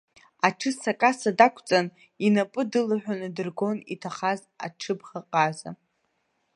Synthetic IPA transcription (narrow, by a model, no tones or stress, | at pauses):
aʈ͡ʂʰɨsakʼasadakʷʰt͡sʼan | inapʼɨdɨlaħʷᶣanɨdɨrɡo̞nḭtʰaχaz | a̰ʈ͡ʂʰɨbχaqʼaza̰